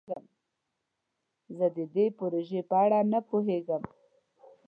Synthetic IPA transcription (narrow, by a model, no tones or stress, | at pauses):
əm | zəd̪əd̪epoɾoʒepəaɽanapoɦeɡəm